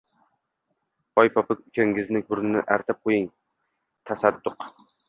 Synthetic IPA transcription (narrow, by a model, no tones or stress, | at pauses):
ɒjpʰɒpɪkʲʊkʲʰaŋɡɪznɪɡʊɾnɪnɪ̰ʔaɾt̪ʰap̚qʰojɪŋ | t̪ʰasad̪ːʊq